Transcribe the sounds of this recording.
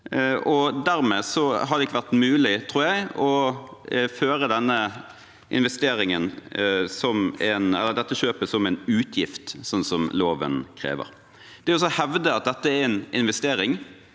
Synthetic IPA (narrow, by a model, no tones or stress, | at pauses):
ʔɔd̪æɾmeːsɔɦɑd̪ɛɪkːəʋæʁt̪mʉːlɪt̪ʰɾuːɾjæɪɔ | føːɾəd̪ɛnːə | ʔɪ̰nʋɛst̪eːɾɪŋənsɔmɛnɛlːəɾd̪ɛt̪ːəʃøːpəsɔmːɛɪnʉːt̪ʰjɪft̪sɔnːsɔmloːʋə̰nkʰɾḛːʋə̰ɾ | d̪̥ɛɾɪɔs̬ɔhɛʋd̪əɑt̪̚d̪ɛt̪ːəæɾɛnɪnʋɛst̪eːɾɪŋ